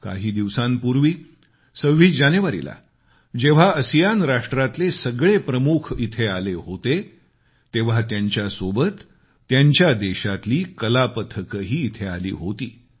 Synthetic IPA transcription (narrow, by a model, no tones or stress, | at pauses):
ka̰ɦiːd̪iʋsãnpuɾʋiː | səʋːiːd͡ʑanjəʋaɾḭla̰ | d͡ʑeʋ̤aəsijanɾaʂʈɾat̪lesəɡɭepɾəmukʰit̪ʰealeɦot̪e | t̪eʋ̤at̪jaɲt͡ɕjasobət̪ː | jaɲt͡ɕjad̪eɕat̪liːkəlapət̪ʰəkəɦiːt̪ʰea̰lḭːɦot̪iː